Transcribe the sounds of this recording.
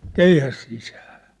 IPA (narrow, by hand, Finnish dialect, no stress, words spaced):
keihæs sisæː